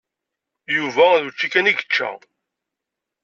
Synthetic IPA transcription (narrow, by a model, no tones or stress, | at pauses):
juvæðut͡ʃːikæniɡət͡ʃːæ̰